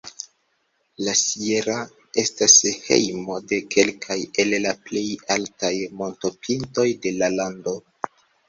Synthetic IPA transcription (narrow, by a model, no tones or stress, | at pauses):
lasieɾa | e̞stashe̞̰jmo̞de̞kʰe̞lkʰaje̞llaple̞jaltajmo̞nto̞pʰinto̞jde̞lalando̞